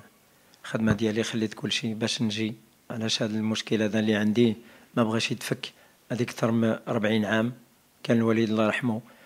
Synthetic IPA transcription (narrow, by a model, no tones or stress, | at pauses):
xəd̪mæd̪jælixəlːit̪kʊlːʃibæʃnʒi | ʕlæʃhæd̪əlmʊʃkəlad̪ælːiʕənd̪imæbɣiʃjət̪fəkː | ʕæd̪ikt̪ɑɾˤməɾˤbʕinʕam | kænəlwælid̪lɾˤɑħmu